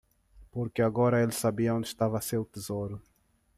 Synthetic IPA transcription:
poɾkɪaɡɔɾɐelɪsabiɐõnd̪ɪʃt̪avɐsewt̪ezoɾʊ

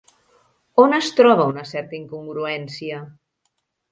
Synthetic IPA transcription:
onəst̪ɾɔβ̞ɐunəsɛɾt̪əiŋkuŋɡɾuɛnsiə

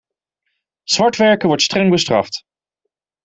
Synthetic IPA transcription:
z̥ʋɑɹtʋɛɹkəʋɔɹtstrɛŋbəstrɑ̰ft

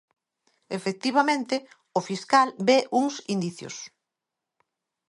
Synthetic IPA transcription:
efek̚t̪iβ̞amẽnt̪ɪ | ʊfiskalbeʔuŋsind̪iθjo̰s

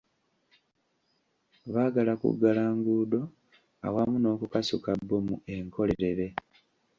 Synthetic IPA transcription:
βaːɡalakṵɡːalaːŋɡuːdo̞ | a̰wamuno̞ːkukasukabːomue̞ŋkʰo̞leɾe̞ɾe̞

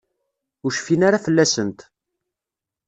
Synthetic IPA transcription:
ʊɾʃfinaɾafəlːæsənt̪

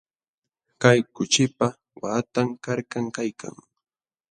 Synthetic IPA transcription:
kajkʊt͡ʃɪpa | wat̪aŋkaɾkaŋkajkʰa̰ŋ

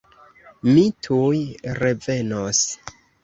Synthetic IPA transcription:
mitʰujɾe̞ve̞nos

